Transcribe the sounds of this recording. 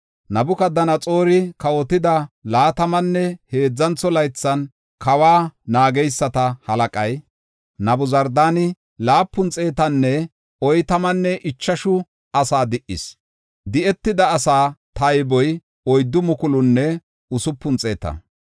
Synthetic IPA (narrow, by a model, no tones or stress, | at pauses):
nɐbʊkɐd̪ɐnɐt͡sʼo̞ːɾɪkɐwɔt̪ɪd̪ɐlaːt̪ɐmɐnːɛhe̞ːd͡zːɐnt͡sːɔlɐjt͡sːɐn | kɐwaːnaːɡɛjsːɐt̪ɐhɐlɐkʼɐj | nɐbʊzɐɾd̪aːnɪ | laːpːʊnt͡sʼe̞ːt̪ɐnːɛ | ɔjt̪ɐmɐnːɛʔɪt͡ʃːɐʃʊ | ɐsaːd̪ɪʔɪ̰s | d̪ɪɛt̪ːɪd̪ɐːsaːt̪ɐjbɔj | ɔjd̪ːʊmʊkʊlʊnːɛ | ʊsʊpːʊnt͡sʼe̞ːt̪ɐ̰